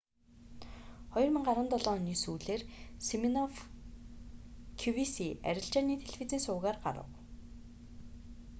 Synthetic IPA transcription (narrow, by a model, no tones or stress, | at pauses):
χɔjɞ̆rmɘ̆ŋɢaɾə̆nt̪ɔɮɔːniːsuːɮeːrseminɔf | kʰuwisiæ̰ɾʲɪ̆ɬt͡ɕaːniːt̪ʰeɮfit͡siːnsʊːɣaːrɢa̰ɾə̰̆w